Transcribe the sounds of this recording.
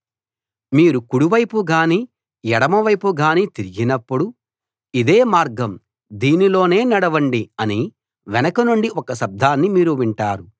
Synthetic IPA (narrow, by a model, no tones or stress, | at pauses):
miːɾukuɽuʋɐjpuɡaːniː | jɛɽɐmɐʋɐjpuɡaːniːt̪iɾiɡinɐpːuɽu | id̪e̞ːmaːɾɡɐm | d̪iːnilo̞ːne̞ːnɐɽɐʋɐɳɖiɐni | ʋɛnɐkɐnuɳɖiɔkɐʃɐb̚d̪ʱaːnːimiːɾuʋiɳʈaːɾu